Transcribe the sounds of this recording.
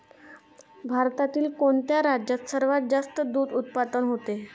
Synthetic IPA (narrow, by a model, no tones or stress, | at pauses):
bʱaɾt̪at̪iːlkoɳt̪jaɾad͡ʑjat̪səɾʋat̪̚d͡zast̪əd̪uːd̪ut̪̚pad̪ənɦot̪e